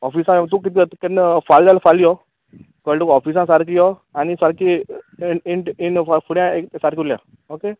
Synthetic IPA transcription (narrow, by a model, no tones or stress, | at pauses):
ɔfisãt̪ukit̪it̪kenfald̪alfalijɔ | kəlʈukɔfis̬ãsaɾkijɔanisaɾki | iɳʈinfafuɽjãeksaɾkuljã̰ | oke